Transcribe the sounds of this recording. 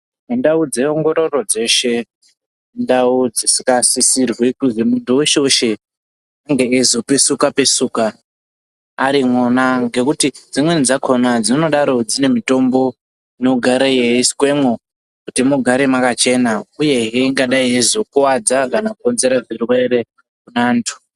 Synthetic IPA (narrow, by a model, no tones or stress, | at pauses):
nendaud͡ze̞oŋɡo̞ɾo̞ro̞d͡ze̞ːʃe̞ | ndaud͡zisikasisirwekuzimuntuweʃeuʃe | aŋɡe̞ːzopesukape̞suːka | ɾimonaŋɡe̞kutid͡zimwenid͡zakʰonad͡zino̞ɗaɾo̞d͡zine̞mito̞mbo̞ | no̞ɡʱaɾejeiskwe̞mo | kutimuɡʱaɾemakat͡ʃe̞nauje̞ɦeiŋɡaɗaiɦezokuwad͡zakanakonze̞ɾaʐirwe̞ɾe̞ | kunaːntʰu̥